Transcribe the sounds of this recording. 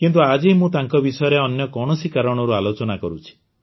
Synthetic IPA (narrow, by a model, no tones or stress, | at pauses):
kint̪̬uad͡ʒimũt̪aŋkɔbisɔjɔɾeɔnjɔkɔɽ̃ɔsikaɾɔɽ̃ɔɾualot͡ʃɔnakɔɾut͡ʃʰi̥